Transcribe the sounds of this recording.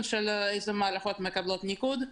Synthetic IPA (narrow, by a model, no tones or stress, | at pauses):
nʃelejzemaalaxot̪mekablot̪nikud̪